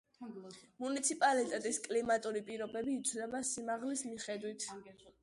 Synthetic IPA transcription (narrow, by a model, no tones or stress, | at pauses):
munit̪sʰipʼalit̪ʼɛt̪ʼiskʼlimat̪ʼuɾipʼiɾɔbɛbiːt̪sʰnɛbasimaʁlismiχɛd̪wit̪ʰ